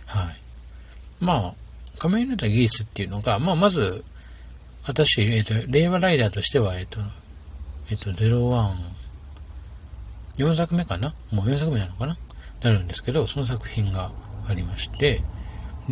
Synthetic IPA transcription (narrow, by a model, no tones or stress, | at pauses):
hai | maː | kameinat̪aɡʲiisɨt̪ːe̞iɯ̟no̞ɡamaːmazɨ | βat̪aɕieːt̪oɾe̞ːβaɾaid̪aːt̪o̞ɕi̥t̪e̞β̞ae̞ːt̪ːo̞ | eːt̪ːo̞ze̞ɾo̞βãɴ | jõ̞ɰ̃s̬akɯ̟me̞kanamo̞ːjõ̞s̬akɯ̟me̞nãnokananaɾɯ̟̃nd̪e̞sɨ̥ke̞d̪o̞so̞no̞s̬akɯ̟̥çĩŋɡaːɾʲimaɕi̥t̪e̞